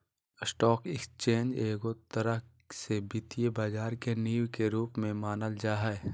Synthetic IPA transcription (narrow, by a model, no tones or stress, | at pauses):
sʈɔːkɪkst͡ʃẽːnd͡ʒeːɡot̪əɾə | sebɪt̪ijebaːd͡ʒaːɾkeniːwkeɾuːpmẽmaːnəld͡ʒaːɦɛe